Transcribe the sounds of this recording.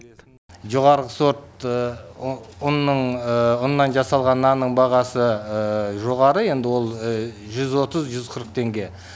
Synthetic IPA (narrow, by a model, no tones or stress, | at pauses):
ʒo̞ʁɑɾʁəso̞t̪ | ʊnːəɴʊnːɑnʒɑsɑlˠʁɑnːɑnːəɴbɑʁɑsə | ʒo̞ʁɑɾəe̞nd̪ɪwo̞lˠ | ʒʏzwo̞t̪əzʒʏzqʰəɾəqt̪ʰe̞ŋɡʲe̞